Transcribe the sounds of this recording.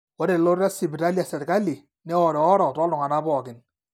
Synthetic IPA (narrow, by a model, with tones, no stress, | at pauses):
wɔ˦ɾe˨lo˦ɾa˦sɪ˨bi˨ɾa˦li˦a˨sɛ˨ɾka˦li˨ | nɛ˦ɔ˨ɾɪ˨ɔ˦ɾɔ˨tɔ˦lʊ˨ŋa˨na˦bɔ˨kɪ˨n